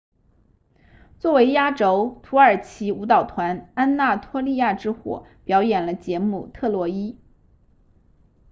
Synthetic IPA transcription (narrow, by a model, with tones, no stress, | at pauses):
t͡swɔ˥˩we˧˥ɪja˥ʈ͡ʂo˥ʊt̪ʰu˧˥ə˞˨˩t͡ɕʰi˧˥u˧˥t̪ɑ˨˩ʊt̪ʰwa˧˥na˥nna˥˩t̪ʰwɔ˥li˥˧ja˥˩ʈ͡ʂɻ̩˥xwɔ̰˨˩˦pjɑ˧˥ʊjɛ˨˩nlə˦t͡ɕjɛ˧˥mu˥˩t̪ʰɤ˥˩lwɔ˧˥i˥